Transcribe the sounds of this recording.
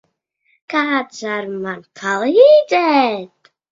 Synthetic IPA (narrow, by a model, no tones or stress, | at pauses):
kadzaɾmankʰalˠidɛt̪